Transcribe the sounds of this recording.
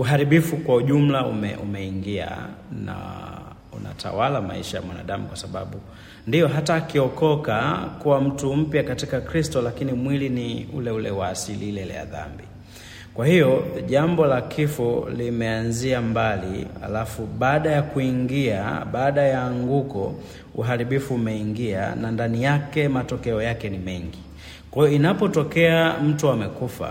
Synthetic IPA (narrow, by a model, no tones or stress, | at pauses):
uɦaɾiɓifukwauʄum̩laṵmɛ̰ʔumɛiŋɡia̰na̰ | ṵna̰tʰa̰walama̰iʃaja̰mwana̰ɗamukwasaɓa̰ɓu | ndijɔɦataːkiɔkɔkakuwam̩tum̩pjakatikakɾistɔlakinimwiliniṵlɛulɛwaːsiliilɛlɛ̰ja̰ða̰mbi | kwahijɔʄambɔlakʰifɔlimɛanziambalḭa̰lafuɓaːɗajakuiŋɡia̰ɓaːɗajaːŋɡukɔ̰ | uɦaɾiɓifuːmɛiŋɡia̰nandanijakɛmatɔkɛɔjakɛnimɛŋɡi | kwajɔinapɔtɔkɛam̩tuamɛkufa̰